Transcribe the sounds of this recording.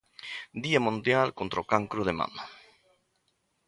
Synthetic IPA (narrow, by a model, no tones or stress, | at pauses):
d̪iamũnd̪jalkont̪ɾokaŋkɾoðemã̰na